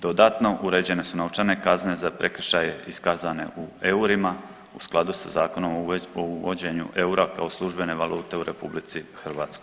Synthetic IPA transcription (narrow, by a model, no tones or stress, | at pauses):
d̪o̞d̪at̪no̞ʔuɾe̞d͡ʑe̞ne̞sunot͡ʃane̞kazne̞zapɾʔe̞kr̩ʃaje̞iskazane̞̰ʔue̞uɾima | usklˠad̪usazaːko̞nomouʋod͡ʑe̞ɲṵʔe̞uɾakao̞slˠuʒbe̞ne̞ʋalˠuːt̪e̞uɾʔe̞publit̪sixr̩ʋaːt̪sko̞j